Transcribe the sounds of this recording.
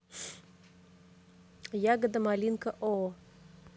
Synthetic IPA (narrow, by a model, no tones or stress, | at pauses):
jaɡəd̪əmalʲinkəʔo